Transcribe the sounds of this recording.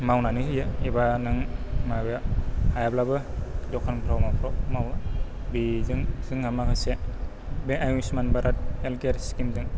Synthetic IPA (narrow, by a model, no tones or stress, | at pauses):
mawnanɯhɯjaibanɯŋmabaajablabɯdɔkʰanpʰɾawmapʰɾɔmaw | bizɯŋz̥ɯŋhamakʰase | beʔajusmanbaɾat̚elkeɾskimzɯŋ